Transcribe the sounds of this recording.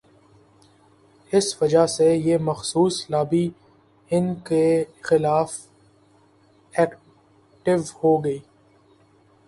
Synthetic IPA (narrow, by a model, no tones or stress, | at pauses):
ɪsʋɐd͡ʒasejeːmɐxsuːslaːbi | ɪnkexɪlaːf | ɛːk | ʈɪʋhoːɡɐiː